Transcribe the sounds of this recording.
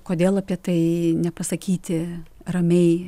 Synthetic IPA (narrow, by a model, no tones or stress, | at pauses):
koːd̪ʲeːlˠɐpʲiɛt̪ɐɪnʲɛpɐsɐkʲiːt̪ʲɪrɐmʲɛɪ